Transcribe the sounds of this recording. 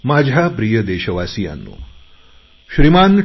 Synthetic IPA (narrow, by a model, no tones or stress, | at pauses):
maːd͡ʒʱapɾijəd̪eːʃɐʋaːsija̰nːṵ | ʃɾimaːn